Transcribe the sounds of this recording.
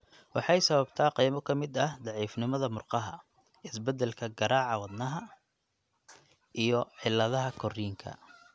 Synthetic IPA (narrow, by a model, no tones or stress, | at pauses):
wɑħɑjsɐβɐbt̪ʰaːqiːjmɔkʰɐmɪd̪ɐhd̪ɑʕiːfnɪmɐðɐmʊrqɑɦɐ | ɪsbɛd̪ɛlkʰɐɡɐɾaːʕɑwɑd̪nɐɦɐ | ʔijɔħɪlːɐðɐɦɐkʰɔriːŋkʰɐ̰